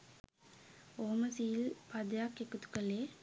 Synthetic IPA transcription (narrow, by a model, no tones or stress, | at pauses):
oːmɐsijɪlpɐd̪jaːkːekːɯt̪ːɯ̥kːɐleː